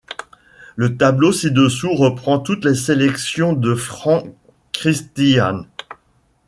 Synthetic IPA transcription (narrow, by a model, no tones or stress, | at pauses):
lət̪ablosid̪əsuʁəpχɑ̃t̪ut̪leselɛksjɔ̃d̪əfχɑ̃ | kχist̪ian